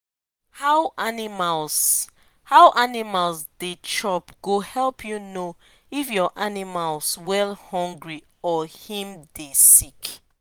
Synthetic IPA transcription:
haʊʔanimals | haʊʔanimalsdet͡ʃɔpɡ̥ohɛlˠpʰjuno | ifjɔʔanimalswɛlhɔ̃ŋɡɹi | ɔhĩmdesik

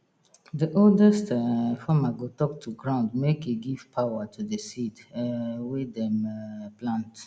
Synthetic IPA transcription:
diʔoldɛstfamaɡotɔk̚tʰuɡɹãʊ̃ndmekeɡiv̥pʰawatʰudəsidwedɛ̃mplãnt

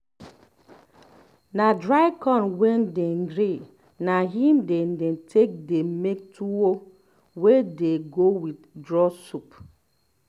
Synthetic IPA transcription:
nadɹaɪkɔ̃nwɛndɛ̃ŋɡɾe | naɦĩmdɛndɛ̃ntʰek̚demek̚tʰuo | wedeɡowiddɹɔsup

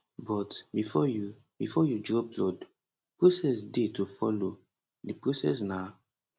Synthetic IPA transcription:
bɔtbifɔju | bifɔjudɹɔp̚lɔd | pɹosɛsdetufɔlo | dipɹosɛ̰s̬na

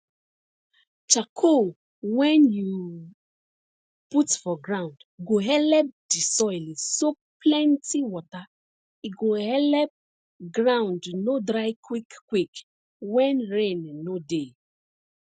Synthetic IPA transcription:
t͡ʃakʰo | wɛ̃nju | putfɔɡɹãʊ̃ndɡoɦɛlɛp̚d̥isɔjliso | plɛ̃ntiwɔta | iɡohɛlɛp̚ | ɡɹãw̃ndnodɹajkwikkwik | wɛ̃nɹẽnːode

